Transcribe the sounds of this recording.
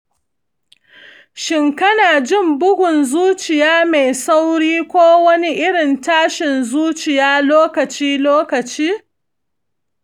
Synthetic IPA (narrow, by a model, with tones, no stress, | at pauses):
ʃɪ˨ŋkɐ˦naː˨d͡ʒɪ˦˨mbʊ˦ɡʷʊ˨nzuː˦t͡ʃɪ˨jaː˦me˨jsa˦wɽiː˦kʷoː˦wɐ˦ni˦ʔɪ˦ɽɪ˨ntaː˦ʃɪ˨nzuː˦t͡ʃɪ˨jaː˦loː˦kɐ˨t͡ʃiː˦loː˦kɐ˨t͡ʃiː˦